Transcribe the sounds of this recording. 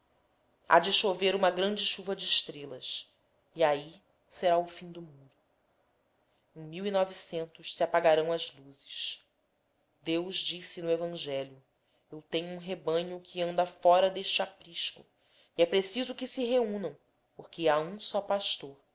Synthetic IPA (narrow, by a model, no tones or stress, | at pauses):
a̰d͡ʒɪʃoveɾũmɐɡɾɐ̃nd͡ʒɪʃuvɐd͡ʒɪːʃt̪ɾelɐs | iai | seɾaʊfĩɲ̃d̪ʊmuɾʊ | ẽj̃miwinɔvisẽnt̪ʊʃsiapaɡaɾɐ̃w̃ɐzluzɪs | d̪ewʒd͡ʒisɪnʊevɐ̃ʒɛljʊ | ewt̪ẽɲʊũɦebɐ̃ɲʊkʰɪɐ̃nd̪ɐfɔɾɐd̪eʃt͡ʃɪapɾiʃkʊ̰ | iɛpɾesizʊkɪsɪɦeũnɐ̃w̃ | poɾkɪaũsɔpaʃt̪oɾ